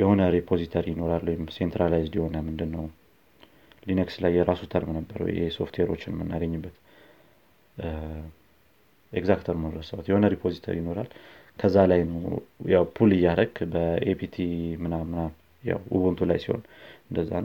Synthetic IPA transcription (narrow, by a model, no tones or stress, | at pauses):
jɛho̞nəɾipʰo̞zit̪ʰəɾijɪno̞ɾalwɔjɪmsent̪ɾalajzd̪jiho̞nəmɨnd̪ɨnːəw | linekslajːɛɾasut̪ʰəɾmnəbːəɾwɔ̰jeso̞̰ft̪ʰweɾo̞t͡ʃːɪnmːɨnːaɡəɲːɨbːət̪ | eɡzakt̪ʰəɾmənɾəsəwt̪jɛho̞nəɾipʰo̞zit̪ʰə̰ɾjɪno̞ɾal | kʰəzːalajnəwjawpʰulɨjːaɾəɡbəepʰit̪ʰimɨnamɨna | ja̰wṵβunt̪ʰula̰jsiho̰n | ɨnd̪əzːa